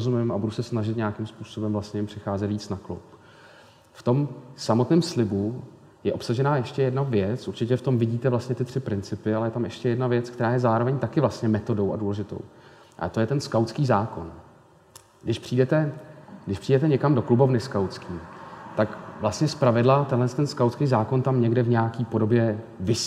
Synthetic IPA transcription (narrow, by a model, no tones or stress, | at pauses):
zumɪmʔabudusɛsnaʒɪt̪ɲejakɪmspuːso̞bɛmvlast̪ɲɛjɛmpr̥ɪxaːzɛt̪viːt͡snaklṵp | ft̪o̞msamo̞t̪nɪːmslɪbu | jɛʔo̞psaʒɛnaːjɛʃcɛjɛdnavjɛt͡sʔuɾt͡ʃɪcɛft̪o̞mvɪɟiːt̪ɛvlast̪ɲɛt̪ɪt̪r̝̥ɪpɾɪnt͡sɪpɪalɛjɛt̪amʔɛʃcɛjɛdnavjɛt͡skt̪ɛɾaːjɛzaːɾovɛɲt̪akɪvlast̪ɲɛmɛt̪o̞do̞wʔa̰duːlɛʒɪt̪o̞̰w | ʔa̰t̪o̞jɛt̪ɛnskawtt͡skiːzaːko̞̰n | ɡdɪʃpr̥iːdɛt̪ɛɡdɪʃpr̥iːdɛt̪ɛɲɛkamdo̞klubo̞vnɪskawt͡skiːt̪akvlast̪ɲɛspɾavɪdlat̪ɛnɦlɛnst̪ɛnskawt͡skiːzaːko̞nt̪amɲɛɡdɛvɲɛakiːpo̞do̞bjɛvɪs